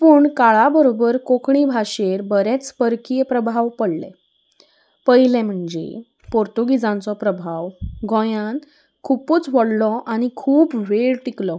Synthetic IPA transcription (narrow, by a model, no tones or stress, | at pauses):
puːɳkaɭabəɾobəɾkokɳibʱaɕeɾbəɾɛt͡spəɾkijpɾəbʱaʋpəɽlɛ̰ | pəjlɛ̃m̤əɳd͡ʑḛ | poɾt̪uɡid͡zãnt͡sɔpɾəbʱaʋɡɔ̃jãn | kʰupuːt͡sʋɔɽlɔʔañikʰuːpʋeɽʈiklɔ